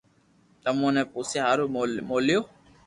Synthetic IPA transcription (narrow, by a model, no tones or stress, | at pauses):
t̪əmõːnɛ̃ːpuːsjaɦaːɾuːmoːljoː